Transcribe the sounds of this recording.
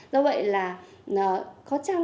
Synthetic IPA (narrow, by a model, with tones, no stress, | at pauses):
zɔ˧˦wvə̰˧˨jlaː˨˩ə˨˩kɔ˨˦t͡ɕaː˧ŋ